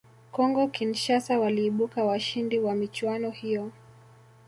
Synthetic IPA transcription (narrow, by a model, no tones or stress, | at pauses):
kɔŋɡɔkinʃasawaliːɓukawaʃindiwamit͡ʃwanɔhijɔ